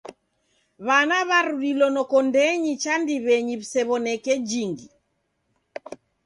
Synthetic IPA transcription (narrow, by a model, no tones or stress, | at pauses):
βanaβaɾuɾilɔnɔkɔndɛɲit͡ʃandiβɛɲiβisɛβɔnɛkɛd͡ʒiŋɡi